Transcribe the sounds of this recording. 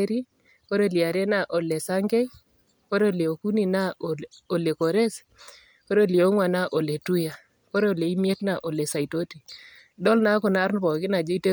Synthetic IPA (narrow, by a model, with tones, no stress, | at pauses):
ɾi˦ | ko˦ɾe˦li˨a˨ɾe˦na˨ʔo˨le˨sa˦ŋɡe˦ | ko˦ɾe˦le˨o˨ku˦ni˨na˦o˨le˨ko˨ɾe˦s | ko˦ɾe˦li˨o˦ŋwa˨na˦ʔo˨le˨tu˦ja˨ | ko˦ɾe˦˨le˨i˦mje˦tna˦ʔo˨le˨sa˨ito˦ti˨ | dɔ˦lna˦kɔ˨na˦ɾnpɔ˨kɪ˦na˨d͡ʒe˦i˦te˦